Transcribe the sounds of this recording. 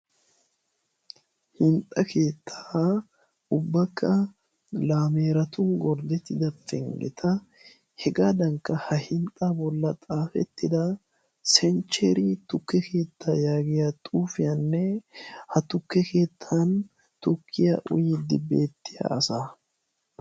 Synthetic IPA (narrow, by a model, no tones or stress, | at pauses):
hɪnt̪ʼːɐkʰe̞ːt̪ʰːḁ | ʊbːɐkːɐ | laːmeːɾɐt̪ʊŋɡɔɾd̪ɛt̪ːɪd̪ɐfɛ̰ŋɡɛ̰t̪ʰɐ | hɛɡaːd̪ɐŋkːɐhɐhɪnt̪ʼːabɔlːɐt̪ʼaːfɛ̰t̪ːɪd̪ɐ | sɛnt͡ʃːeɾɪt̪ʊkːɛke̞ːt̪ʰːajaːɡɪjat̪ʼuːfɪjanːɛhɐt̪ʊkːɛke̞ːt̪ʰːɐn | t̪ʊkʰːɪja̰ːʔʊ̰jɪd̪ɪbeːt̪ːɪja̰ɐsaː